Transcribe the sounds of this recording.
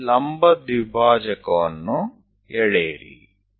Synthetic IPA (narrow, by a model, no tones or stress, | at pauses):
lɐmbɐd̪ibʱaːd͡ʒɐkɐʋɐnːu | ɛɭeːɾḭ